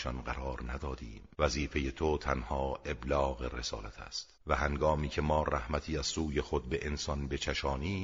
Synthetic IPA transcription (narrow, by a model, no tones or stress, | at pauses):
ʃɒnɢæɾɒːɾnæd̪ɒːd̪iːmvæziːfe̞jet̪ʰot̪ʰænhɒːe̞blɒːɣe̞re̞sɒ̰ːlæt̪ʰæ̰st̪væhæŋɡɒːmiːkcʰe̞mɒːræhmæt̪ʰiːæz̥suːje̞xo̞d̪̚be̞ʔensɒnbe̞t͡ʃʰæʃɒːniː